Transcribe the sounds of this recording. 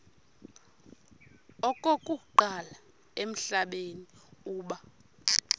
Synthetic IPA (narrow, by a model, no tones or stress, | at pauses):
ɔkʼokʼuǃala | em̩ɬaɓeniuːɓa